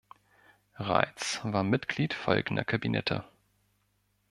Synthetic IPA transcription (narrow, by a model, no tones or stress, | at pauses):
ʁa̰ɪt͡svaːɐmɪtɡ̥liːtfɔ̰lɡn̩dɐ̰kʰabinʔɛ̰tʰə̰